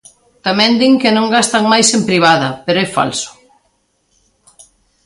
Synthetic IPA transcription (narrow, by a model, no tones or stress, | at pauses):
t̪amɛ̃nd̪iŋkɪnõŋɡast̪ɐŋmajsempɾiβ̞aðɐpeɾoɛfa̰lsʊ̥